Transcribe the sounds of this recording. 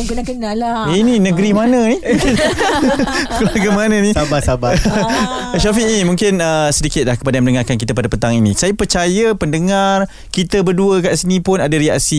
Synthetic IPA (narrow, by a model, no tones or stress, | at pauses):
ininə̃ɡɾimanə̃ni | klaɡamananisabasaba | ʃafiimũŋkɪnəsədikɪt̪̚lahkə̥padajaməndəŋarkank̬it̪apadapət̪aŋinḭ̃sajapərt͡ʃajəpəndəŋar | kit̪əbərduəkaʔsinĩpʊnadaɾia̰ʔsi